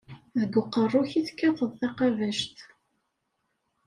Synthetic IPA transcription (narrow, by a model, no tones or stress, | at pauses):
ðəɡʊqːərˤːʊçiθkːætəðˤθɑqɑvæʃt̪